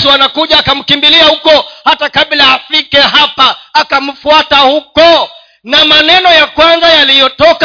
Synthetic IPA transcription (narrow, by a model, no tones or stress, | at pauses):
suanakuʄaːkam̩kimbiliahukɔhatakaɓlaːfikɛɦapaːkam̩fuatahukɔ | namanɛnɔjakwanzajalijɔtɔk